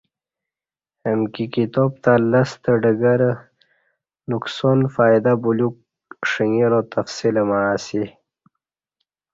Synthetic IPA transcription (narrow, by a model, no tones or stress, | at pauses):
əmkikit̪op̚t̪alɐst̪əɖəɡɐɾ | nuksonfaːjd̪abuluk̚ | ʂiŋiɾot̪ɐfsilɐmaːsi